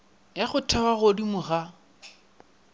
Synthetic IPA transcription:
jaχʊtʰɛwaɣodimʊɣa

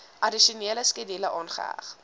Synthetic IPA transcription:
ʔɐdiʃuniːələskədiləʔɑːnχə̰æ̰χ

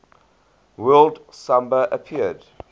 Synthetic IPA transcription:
wɜlˠd | sãmbəʔəpʰiəd̥

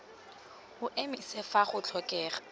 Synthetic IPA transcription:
hʊʔemisefaχʊt͡ɬʰɔkʼɛːχḁ

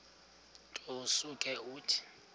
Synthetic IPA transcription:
tʼosukʼɛuːtʰi̥

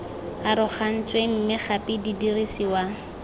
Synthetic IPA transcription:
aɾʊχan̩t͡sʼwem̩mɪχapʼididirisiwa

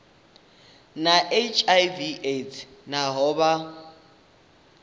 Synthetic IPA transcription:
naʔet͡ʃʼajviʔetʰnaɦɔːba

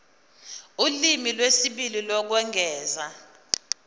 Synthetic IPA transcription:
ulimilwesiɓililɔk̬wɛŋʱɛːza

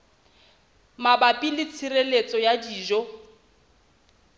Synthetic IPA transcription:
mabapʼilɪt͡sʰirelet͡sʼɔjadiːʒɔ

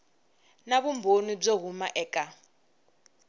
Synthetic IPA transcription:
naβumbʱonib͡ʐoɦumaʔɛːkʼa

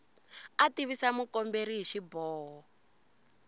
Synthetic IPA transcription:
atiβisamukɔmbeɾiɦiʃibɔːɦɔ

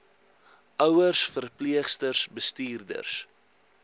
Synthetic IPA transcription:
ʔœwərsfərpliəχstərsbəstiːrdə̰rs

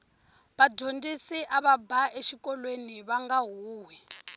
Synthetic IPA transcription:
βaɟʱondisiʔaβabʱaʔeʃikʼɔlweniβaŋɡaɦuːɦwɛ

